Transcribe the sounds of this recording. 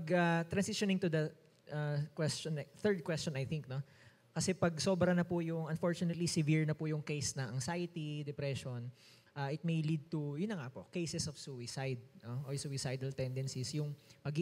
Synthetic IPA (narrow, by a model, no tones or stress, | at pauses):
pɐɡat̪ɾɐnsɪʃonɪŋt̪ʊd̪ɐ | ʔakwɛst͡ʃɔnθɛɹd̪̚kwɛst͡ʃɔ̃nɐjθɪŋk̚no̞ | kɐsɛpɐɡso̞bɾɐnɐpʊjʊŋʔɐnfoɹt͡ʃʊnɛt̪lisɪviɹnɐpʊjʊŋkejsnɐʔɐŋsajt̪id̪ɛpɾɛʃon | ʔaːʔɪt̪̚mejlid̪̚t̪ʊjʊnːɐŋapoʔkejsɛsɔfsuɪsajd̪̚noʔojsuwɪsajd̪ɐlt̪ɛnd̪ɛnsisjʊŋmɐɡi